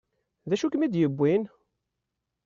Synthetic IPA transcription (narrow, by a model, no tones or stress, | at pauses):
ðæʃukmid̪jəbʷːin